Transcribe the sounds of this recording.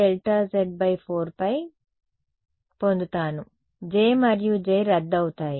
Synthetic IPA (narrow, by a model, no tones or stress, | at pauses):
elʈɐzeɖ̚bɐjpʰoːɾpɐj | po̞nd̪ut̪aːnu | d͡ʒeːmɐɾjud͡ʒejɾɐd̪ːɐwut̪aːji